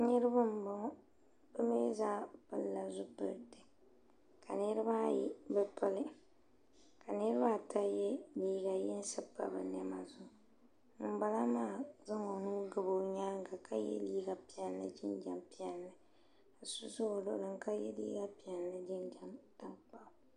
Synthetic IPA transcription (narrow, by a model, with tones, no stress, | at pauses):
nɨ˦ɾɨ˦bɨ˦m̩˨ba˦ | bɨ˦me˦zaː˦pɨ˨lːa˨zʊ˦pɨ̰˨ɾdɨ˨ | kʰa˨nɨ˦ɾɨ˦ba˦˨jḭ˦bɛ˦pʰɨ˦lɨ˦ | ka˨nɨ˦ɾɨ˦ba˦˨ta˦jɛ˦liː˦ɡa˨jɛ˦n˦sɨ˦pːa̰˨bɨ̰˨nɛ˦ma˨zʊ˦ | m̩˨ba˦la˦maː˦˨za˦ŋo˨nuː˦ɡɨ˨bo˦ɲaː˦ŋ˦ka˨kʰa˦jɛ̰˦liː˦ɡa˨pi˨ɛ˦nː˦ɨ̰˦d͡ʒɪ˦nd͡ʒa˦mpi˦ɛ˨lːɨ˨ | a˨su˦sʊ˦o˨lo˦lɨ˨ŋka˦jɛ˦lḭː˦ɡa˦pi˨ɛ˨lːɨ˦d͡ʒɪ˦nd͡ʒa˦mta˦ŋk͡pa˨